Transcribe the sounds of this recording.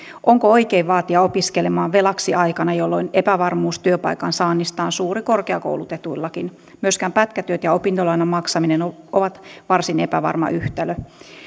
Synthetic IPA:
ʔoŋkooikeiʋʋɑːt̪iɑopiskelemɑːʋʋelɑksiʔɑikɑnɑjolːoinepæʋɑrmuːst̪yøpɑ̰ikɑnsɑːnːist̪ɑːnsuːrikorkeɑko̰wlut̪et̪uilːɑkin | myøskæːmpæt̪kæt̪yøt̪jɑopint̪olɑinɑmɑksɑminenooʋɑt̪ʋɑrsinepæ̰ʋɑ̰rmɑ̰ʔyht̪ælø

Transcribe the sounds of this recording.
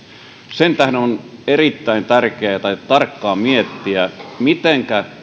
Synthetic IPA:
sent̪æhdenonerit̪ːæint̪ærkeæt̪ɑit̪ɑrkːɑːmiet̪ːiæmit̪eŋkæ

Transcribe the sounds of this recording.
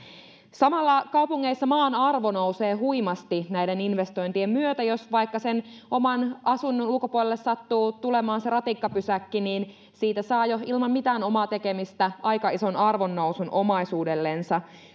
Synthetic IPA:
sɑmɑlːɑkɑupuŋːeisːɑmɑːnɑrʋo̞nowse̞ːɦuimɑst̪inæjdeninʋe̞st̪o̞jnt̪iemmyøt̪æjo̞sʋɑjkːɑsenʔo̞mɑnʔɑsunːonulkopuolelːessɑt̪ːuːt̪ule̞mɑːnse̞rɑt̪ikːɑpysækːiniːn | siːt̪æsɑːjoilmɑmmit̪æːno̞mɑːt̪e̞kemist̪æʔɑjkɑiso̞nɑrʋo̞nːo̞wsunʔo̞mɑisuːde̞lːe̞nsɑ

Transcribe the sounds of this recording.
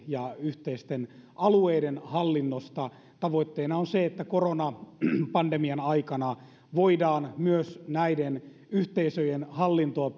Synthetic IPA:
jɑyht̪eist̪enʔɑlueidenhɑlːinːost̪ɑ | t̪ɑʋoit̪ːeːnɑonseet̪ːækoronɑpɑndemiɑnɑikɑnɑ | ʋoidɑːnmyøsnæiden | yht̪eisøjenhɑlːint̪oɑ

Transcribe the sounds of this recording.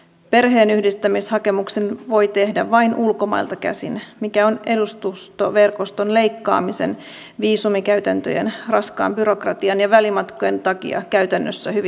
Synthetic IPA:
pe̞rɦe̞ːnyhdist̪æmishɑke̞muksenʋo̞jt̪e̞hdæʋɑjnʔulko̞mɑ̰ilt̪ɑkæ̰sḭnmikæo̞ne̞dust̪ust̪oʋe̞rko̞st̪o̞nle̞jkːɑ̰ːmise̞̰n | ʋiːsumikæyt̪ænt̪øjḛnrɑskɑ̰ːmbyɾo̞krɑt̪iɑnjɑʋælimɑt̪koje̞nt̪ɑkḭɑ̰kæyt̪ænːøsːæhyʋ

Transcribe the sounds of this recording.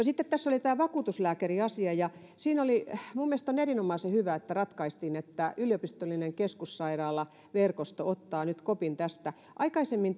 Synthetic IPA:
nosit̪ːet̪t̪æsːolit̪æːʋɑkuːt̪uslæːkeriɑsiɑjɑ | siːnolimumːiest̪onerinomɑisehyʋæet̪ːærɑt̪kɑist̪iːnet̪ːæylijopist̪olːˑineŋkeskussɑirɑːlˑɑ | ʋerkost̪oot̪ːɑːnyt̪kopint̪æst̪æ | ʔɑikɑisemːin

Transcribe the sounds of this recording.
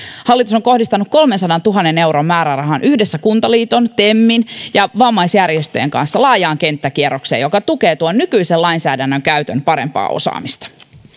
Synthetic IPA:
hɑlːit̪usoŋko̞hdist̪ɑnukko̞lmensɑdɑnt̪uɦɑnːene̞wɾomːæːɾærɑɦɑnʔyhdesːækunt̪ɑliːt̪o̞nt̪emːinjɑʋɑmːɑisjærjest̪øjeŋkɑ̰nsːɑlɑːjɑːŋke̞nt̪ːæk̟ierokseːjo̞kɑt̪ukeːt̪uonːykyiselɑinsæːdænːøŋkæyt̪ønpɑɾe̞̰mpɑ̰ːo̰sɑ̰ːmist̪ɑ̥

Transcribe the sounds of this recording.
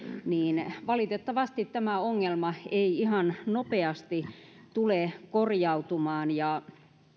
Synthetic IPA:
niːnʋɑlit̪et̪ːɑʋɑst̪it̪t̪æmæoŋːelmɑeiihɑnnopeɑst̪i | t̪ulekorjɑut̪umɑːnjɑ

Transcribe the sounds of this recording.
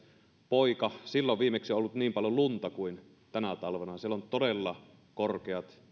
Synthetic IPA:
poikɑsilːoʋʋiːmeksioʔolːut̪niːmpɑljolunt̪ɑkuin | t̪ænæt̪ɑlʋenɑsielont̪odelːɑ | korkeɑt̪

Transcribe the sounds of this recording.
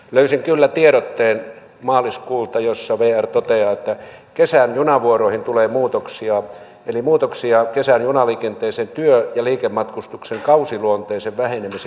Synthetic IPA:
løysiŋkylːæt̪ieɾot̪ːeːn | mɑːliskuːlt̪ɑjosːɑʋeːært̪ot̪eɑːet̪ːækesænjunɑʋuoroĭhint̪uleːmuːt̪oksiɑ | elimuːt̪oksiɑkesænjunɑliːkent̪eːsent̪yøjɑliːkemmɑt̪kust̪ukseŋkɑusiluont̪eːseʋʋæhenemise

